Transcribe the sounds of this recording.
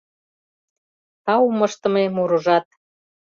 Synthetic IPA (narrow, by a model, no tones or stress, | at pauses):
t̪ɑuməʃt̪ə̆memuɾuʒɑt̪̚